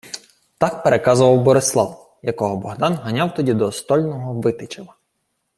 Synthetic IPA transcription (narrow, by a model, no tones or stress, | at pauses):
t̪ɑkpeɾʔekɑzʊʋɐwbɔɾeslˠɑw | jɐkɔɦɔbɔɦd̪ɑnɦɐnʲɑwt̪ɔdʲid̪ɔst̪ɔlʲnɔɦɔʋɪt̪ɪt͡ʃɪʋɐ